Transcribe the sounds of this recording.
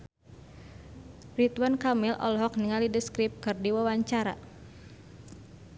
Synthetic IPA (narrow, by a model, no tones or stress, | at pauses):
rit̪wankamilʔɔ̰lɦɔk̚niŋalidəskɾip̚kɨrdiwawaɲt͡ʃaɾa̰